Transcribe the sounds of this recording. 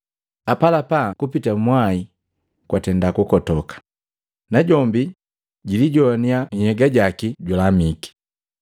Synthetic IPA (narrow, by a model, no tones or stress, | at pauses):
apalapakupitamwai | kwatɛndakukɔtɔkḁ | naɟɔmbi | ɟiliɟɔniahɛɡaɟakiɟalamiki̥